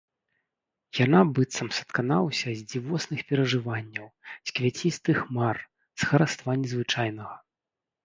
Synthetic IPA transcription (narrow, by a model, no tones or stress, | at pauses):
janabɨt̪sɐmsɐ̥t̪kanawsʲɐzʲd͡zʲivɔsnɨxpʲɛɾɐʐɨvanʲːɐwsʲkvʲat͡sʲist̪ɨxmar | sxɐɾast̪vanʲɛzvɨt͡ʂajnɐɣɐ